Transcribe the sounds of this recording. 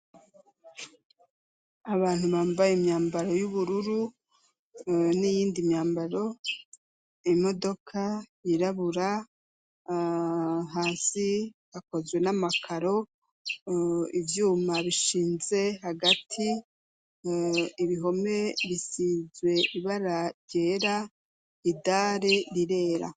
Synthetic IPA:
aβaːnhuβaːmbajeimɲaːmbaɾo̞juβuɾuɾu | nijiːndimɲaːmbaɾo̞ | imo̞do̞kʰajiɾaβuɾa | ɦaːsihako̞zɡwe̞namakʰaɾo̞ | ivjuːmaβiʃiːnze̞ɦaɡatʰi | iβiɦo̞me̞βisiːzwe̞ʔiβaɾaɟe̞ːɾa | idaːɾeɾiɾe̞ːɾa̰

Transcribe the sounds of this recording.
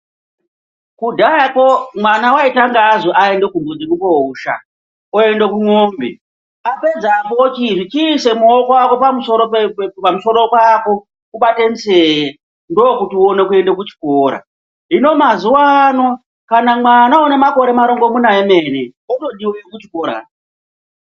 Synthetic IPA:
kudʱaakomwanawaitaŋɡazoʔae̞ndekumbod͡zekupouʃa̰ | oe̞ndekuŋombḛ | ape̞d͡zapot͡ʃiʐit͡ʃiːse̞muokowako̞pamuso̞ɾopepamuso̞ɾo̞kwako̞ | kuɓatem̩see | ndoːkutionekue̞ndekut͡ʃi̥koːɾa̰ | ɦino̞mazuwano | kanamwanaone̞mako̞ɾe̞maɾo̞ŋɡo̞munaeme̞neoto̞ɗiwekut͡ʃi̥koːɾa̰

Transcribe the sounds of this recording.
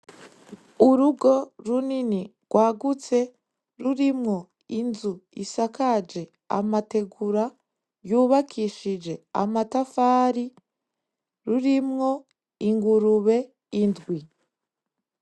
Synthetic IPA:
uɾuɡo̞ɾunini | ɡ̥waːɡut͡se̞ | ɾuɾimŋo̞ | inzuḭsakad͡ʒe̞ | a̰mate̞ɡuɾa | juːβakʰiʃid͡ʒe̞a̰matafaːɾi | ɾuɾimŋo̞ | iŋɡuɾuβe̞ | indɡwi

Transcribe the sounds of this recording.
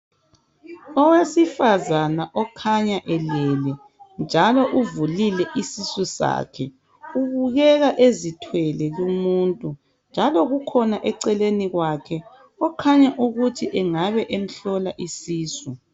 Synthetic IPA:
ɔwesifazanaʔɔkʰaɲaʔɛlɛlɛ | nd͡ʒʱalɔʔuvulilɛʔisisusa̰ːkʰɛ | uβuɣɛɣaʔezitʰwɛlɛɣumuntʼu | nd͡ʒʱalɔɣukʰɔnaʔɛǀɛleniɣwakʰɛ | ɔkʰaɲaʔuɣutʰiʔɛŋaβɛʔem̩ɬɔlaʔisiːsu

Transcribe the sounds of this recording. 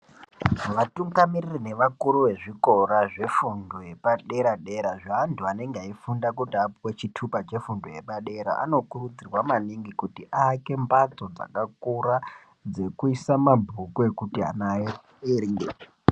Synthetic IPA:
ʋatuŋɡamiririne̞ʋakuɾuʋe̞ʐiko̞ɾaʐe̞fundoje̞paɗe̞ɾaɗe̞ɾaʐaːntʰuane̞ŋɡeaifundakutiapwet͡ʃitʰupat͡ʃe̞fundoje̞paɗe̞ɾa̰ʔa̰no̞kurud͡zirwamaniŋɡikutiʔake̞mbat͡sod͡za̰kakura | d͡ze̞kuisamabʱukue̞kutia̰nae | eŋɡḛ

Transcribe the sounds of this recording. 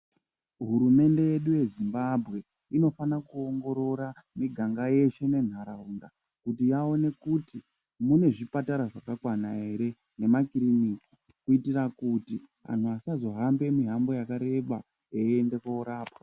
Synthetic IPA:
ɦuɾume̞nde̞je̞ɗuje̞zimbabʱɣe̞ | ino̞fanakuoŋɡo̞ɾo̞ɾa | miɡʱaŋɡaje̞ʃe̞ne̞n̤aɾauŋda | kutijao̞ne̞kuti | mune̞ʐipataɾaʐakakwanaɦe̞ɾe̞ | ne̞makiɾiniki̥ | kuitirakuti | a̰n̤uasazo̞ɦambe̞miɦambo̞jakaɾe̞ɓa | jeiende̞kweuɾaːpḁ

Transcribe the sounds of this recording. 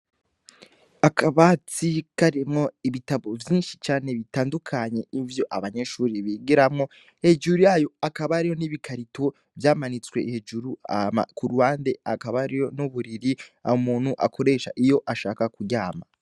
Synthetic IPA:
akʰaβat͡sikaɾimŋo̞iβitaβovjiːnʃit͡ʃaːne̞βitaːndukʰaɲe̞ivjo̞ʔaβaɲe̞ʃuːɾiβiːɡiɾamŋo̞ | he̞d͡ʒuɾujaːjo̞akaβaɾijo̞niβikʰaɾitʰo | vjaːmanit͡swe̞hed͡ʒuɾua̰ma̰kuɾuhaːnde̞akaβaɾijo̞nuβuɾiɾia̰omuːnhuʔa̰kʰo̞ɾe̞ːʃa̰ʔijo̞ʔaʃaːkakuɟaːma

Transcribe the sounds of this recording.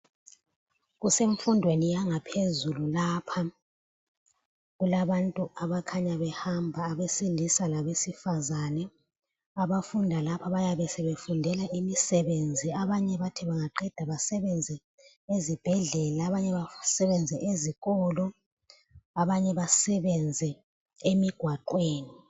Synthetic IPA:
ɣuseɱfundʱwenijaŋapʰezululaːpʰa | ɣulaβantʼuaβakʰaɲaβɛhambʱaːβesilisalaβesifazanɛ | aβafundʱalapʰaβajaβɛsɛβefundʱɛlaʔimisɛβend͡zʱiaβaɲɛβatʰiβaŋaǃɛd̥ʱaβasɛβɛnd͡zʱɛ | ezib̥ʱɛɮɛlaːβaɲɛβasɛβɛnd͡zʱɛʔeziɣɔlɔ | aβaɲɛβasɛβɛnd͡zʱɛ | emiɡ̥ʱwaǃweːni

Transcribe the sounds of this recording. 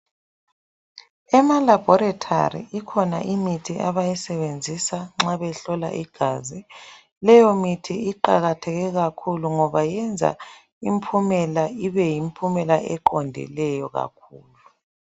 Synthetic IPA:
ɛmalab̥ʱɔɾatʰa̰rḭikʰɔna̰ʔimitʰiʔaβajɛsɛβend͡zʱisaŋ͡ǁaβɛɬɔla̰ʔiɡ̥ʱaːzi | lɛjɔmitʰiiǃaɣatʰɛɣɛɣakʰuluŋɔβajɛnd͡zʱa̰ | impʰumɛlaiβɛjimpʰumɛlaʔɛǃɔndʱḭlɛjɔɣa̰kʰuːlu

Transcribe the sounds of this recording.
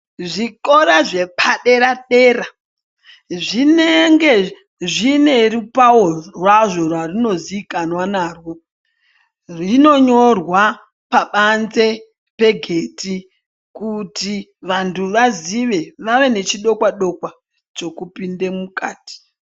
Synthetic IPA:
ʐiko̞ɾaʐe̞pʰaɗe̞ɾaɗe̞ːɾa | ʐineŋɡe̞ | ʐine̞ɾipaworwaʐo̞rwarino̞ziːkanwanaːrwo | rino̞ɲo̞rwa | paɓanze̞ | pe̞ɡʱe̞ːti | kutiʋantʰuʋaziʋe̞ʋaʋe̞ne̞t͡ʃiɗo̞kwaɗokwa | t͡ʃo̞kupinde̞mukaːti̥

